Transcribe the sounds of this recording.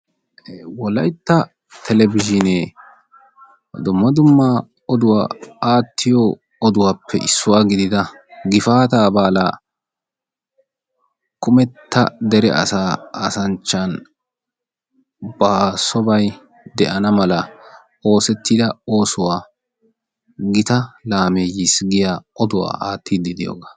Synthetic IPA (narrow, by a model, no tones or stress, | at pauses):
wɔlɐjt̪ːɐ | t̪ʰɛlɛbɪʒɪneː | d̪ʊmːɐd̪ʊmːaː | ɔd̪ʊwa̰ːaːt̪ːɪjɔ | ɔd̪ʊwaːpʰːɛ̰ʔɪ̰sːʊwaːɡɪd̪ɪd̪ɐ | ɡɪfaːt̪aːbaːlaː | kʊmɛt̪ʰːɐ̰d̪ɛɾɛ̰ʔɐ̰saːɐsɐnt͡ʃːɐn | basɔbɐj | d̪ɛʔɐnɐmɐlɐ | ʔo̞ːsɛt̪ːid̪ɐo̞ːsʊwaː | ɡɪt̪ɐlaːmejɪsɡɪjaːɔd̪ʊwa̰ːʔa̰ːt̪ːid̪ɪd̪ɪjo̰ːɡḁ